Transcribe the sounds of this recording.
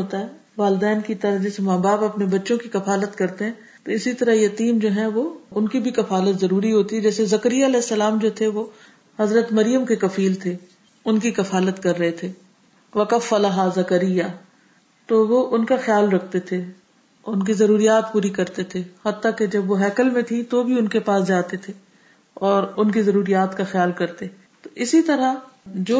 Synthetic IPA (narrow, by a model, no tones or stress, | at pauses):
ɦoːt̪aɦɛː | ʋaːlɪd̪ɛːnkit̪ɐɾad͡ʒɛːsemaːbaːpɐpnebɐtːʃõkikɐfaːlət̪kɐɾt̪eɦɛ̃ː | t̪oɪsit̪ɐɾaɦjɐt̪iːmd͡ʒoːɦɛ̃ʋoʊnkibʱikɐfaːlət̪zɐɾuːɾiɦoːt̪iɛd͡ʒɛːsezɐkəɾijaɐlɛːɪsːɐlaːmd͡ʒoːt̪ʰeʋo | hɐzɾət̪mɐɾijəmkekɐfiːlt̪ʰe | ʊnkikɐfaːlət̪kɐɾːɐɦet̪ʰeː | ʋɐkɐfːɐlaɦazɐkəɾɪjːa | t̪oʋoʔʊnkaxjaːlɾɐkʰt̪et̪ʰe | ʊnkizɐɾuːɾijaːt̪puːɾikɐɾt̪et̪ʰehɐt̪ːaked͡ʒɐbʋoɦɛːkəlmẽt̪ʰĩt̪obʱiʊnkepaːsd͡ʒaːt̪et̪ʰe | ɔːɾʊnkizɐɾuːɾijaːt̪kaxjaːlkɐɾt̪e | t̪oʔɪsit̪ɐɾad͡ʒoː